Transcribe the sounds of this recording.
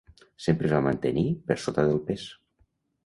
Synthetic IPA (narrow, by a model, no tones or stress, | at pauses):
sempɾəzβamant̪enipəɾsot̪aðəlˠpes